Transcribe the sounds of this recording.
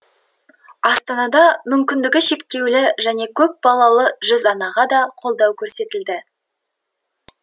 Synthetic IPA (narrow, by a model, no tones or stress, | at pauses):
ɑst̪ɑnɑd̪ɑmʏmkʲɪnd̪ɪɡʲɪʃe̞kt̪e̞wlɪʒæne̞kʲʰɵp̚bɑlˠɑlˠəʒʏzɑnɑʁɑd̪ɑqʰo̞lˠd̪ɑwkʲʰɵɾse̞t̪ɪld̪ɪ